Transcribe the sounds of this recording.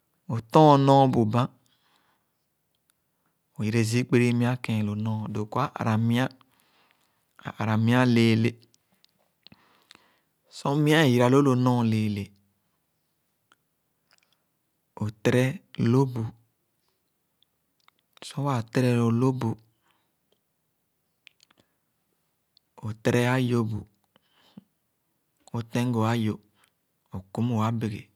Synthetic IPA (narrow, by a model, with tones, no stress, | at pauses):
o˨tɔ̃˦o˨nɔ̃˦bu˨bã˦ | o˨ji˨ɾe˨zi˦k͡pe˦ɾi˦mĩ˦a˦kẽ˨lo˨nɔ̃˦˨do˨ku˦a˦ʔa̰˨ɾa˨i˦a˦˨ | a˨ɾa˨mĩ˦a˦le˨le˨ | so˦mĩ˦a˦˨ji˨ɾa˨lo˦lo˨nɔ̃˦˨le˨le˨ | o˨t̪ɾɛ˦lo˦bu˨ | sɔ˦a˨t̪ɾɛ˦lo˨lo˦bu˨ | o˨tɾɛ˦a˦jo˦bṵ˨ | o˨t̪ɛ̃˦ŋ˦ɡo˨a˦jo˨ | o˨ku˦m˦o˨a˦be˨ɡḛ˨